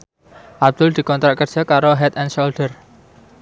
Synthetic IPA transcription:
ʔab̚d̪̥ʊld̪̥i̤kɔnt̪ɾaʔt̪̚kər̥d͡ʒ̥ə̤kaɾoɦɛt̪ɛnʃold̪̥ər

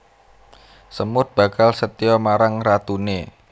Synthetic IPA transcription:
səmʊt̪̚b̥a̤kalsət̪iɔmaɾaŋrat̪une

